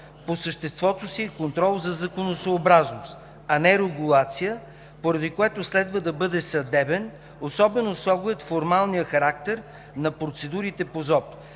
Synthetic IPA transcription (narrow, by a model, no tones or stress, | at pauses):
posəʃt̪ɛst̪vɔt̪osiɛkont̪ɾɔlˠzɐzɐkonosoːbɾaznost̪ | ɐnɛɾɛɡulˠat̪sijə | poɾɐd̪ikoɛt̪oslɛd̪vəd̪ɐbɤd̪ɛsɐd̪ɛbɛn | osɔbɛnosˠɔɡʊjət̪foɾmalˠnijəxɐɾak̚t̪ɛɾ | nɐpɾot̪sɛd̪uɾit̪ɛpozɔp